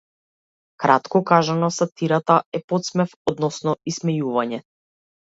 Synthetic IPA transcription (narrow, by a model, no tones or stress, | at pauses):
kɾat̪kɔkaʒanɔsat̪iɾat̪aɛpɔt̪smɛfɔd̪nɔsnɔismɛjuvaɲɛ